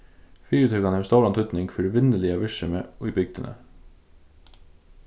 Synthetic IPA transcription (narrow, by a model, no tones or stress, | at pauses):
fyːɾʉt̪hœkɑnəoːst̪oːlɑnt̪ʰʉt̪nɪŋɡfœɾʉʋɪnd̪əlɪɑʋɪʃəməːiːbʏɡ̚d̪ə̰nʔə̰